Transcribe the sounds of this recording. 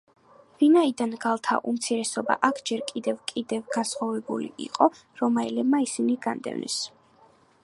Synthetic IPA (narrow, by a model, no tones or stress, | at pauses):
vinaid̪anɡalˠt̪ʰa̰ʔumt̪sʰiɾɛsɔba̰ʔakʰd͡ʒɛɾkʼid̪ɛvkʼid̪ɛvɡansχavɛbulḭḭqʼɔ | ɾɔmaɛlɛbmaisiniɡand̪ɛ̰vnɛ̰s